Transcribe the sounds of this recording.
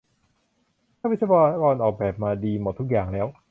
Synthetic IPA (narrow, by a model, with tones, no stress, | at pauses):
t̪ʰaː˥˩wi˦˥t̪saː˧bɔː˧na˥kɔː˧nʔɔː˨˩k̚bɛː˨˩p̚maː˧diː˧mo˨˩t̪ʰːu˦˥k̚jaː˨˩ŋlɛː˦˥w